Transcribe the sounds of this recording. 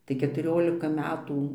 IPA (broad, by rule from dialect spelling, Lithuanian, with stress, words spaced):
tɐɪ kʲɛtʊˈrʲoːlʲɪkɐ ˈmʲæːtuː